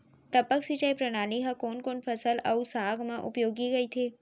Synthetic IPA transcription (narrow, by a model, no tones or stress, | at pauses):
pɾɐpəksit͡ʃaipɾɐñaːliɦãkoːnkoːnfʰɐsəlɐusaːɡmãʔʊ̰pjoːɡiɡɐit̪ʰeː